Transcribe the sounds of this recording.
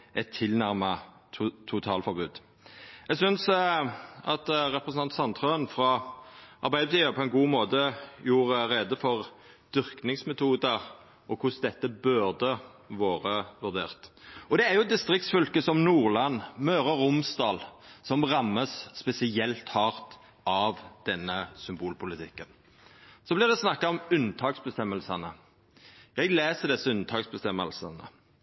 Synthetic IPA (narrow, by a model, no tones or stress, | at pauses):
ʔɛt̪ʰːɪlnæʁmɑ | t̪ʰʊt̪ʰɑːlfɔʁbʉːd̪ | ɛɡsʏns | ʔɑt̪ʁɛpɾəsn̩ɑnt̪sɑnt̪ʰʁøːənfɾɑʔɑɾbæɪd̪əbət̪iːʋəpʰɔɛnɡuːmoːt̪əjuːʁɾeːd̪əfɔʁ | d̪ʏʁknɪŋsmɛt̪ʰuːd̪ɑʁ | ɔkʰʊsd̪ɛt̪ːəbʉʁd̪ə | ʋoːʁəʋʉʁd̪ḛːʁt̪ɔd̪ɛæʁjʊɛt̪d̪ɪst̪ʁɪk̚t̪sfʏlkəsɔmnuːʁlɑnːmøːʁɑɾʊmsd̪ɑːlsɔmʁɑmːəsːpɛsɪɛlt̪hɑːʁt̪ | ɑʋd̪̥ɛnːəsʏmbuːlpʊlɪt̪ʰɪkːən | sɔblɪʁd̪ɛsnɑkːɑɔmʉnt̪ʰɑːksbəst̪ɛmːəlsənə | jɛɡleːsəd̪ɛsːəʉnt̪ʰɑːksbəst̪ɛmːəlsə̰nə̰